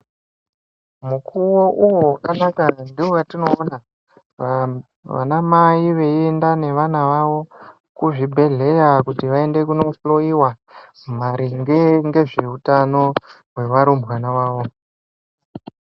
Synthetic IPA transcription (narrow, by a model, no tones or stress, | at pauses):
mukuwo̞ʔuwowakanakandiojatino̞ːna | ʋa̰namaiʋe̞endane̞ʋanaʋaʋo̞ | kuʐibʱe̞ɮe̞jakutiʋae̞nde̞kuno̞ɬlo̞iwa | m̤aɾiŋɡeŋɡe̞ʐe̞utano̞ | ɦwe̞ʋaɾombwanaʋaːʋo̞